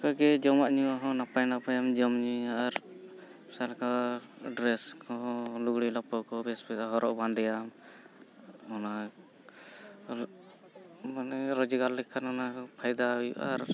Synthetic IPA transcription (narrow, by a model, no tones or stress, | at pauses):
kaɡɛd͡ʒɔmaʔɲuwaɦɔ̃napajnapajamd͡ʒɔmɲiaɾ | salka | ɖɾɛskɔluɡɽilapɔkɔbɛsbɛsaɦɔɾɔʔband̪ɛjam | ɔna | manɛɾɔd͡ʒiɡalːɛkʰːanɔnapʰajd̪ajṵʔa̰ɾ